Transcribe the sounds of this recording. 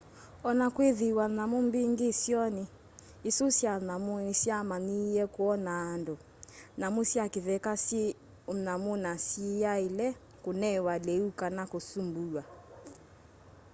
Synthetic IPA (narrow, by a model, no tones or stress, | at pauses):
ɔnakweðiwanamombiŋɡesjɔneː | sosjanamoesjamanijɛkoɔnaːndo | namosjakeðɛkas | namonasejaelɛ | konɛwalɛukanakosumbuwa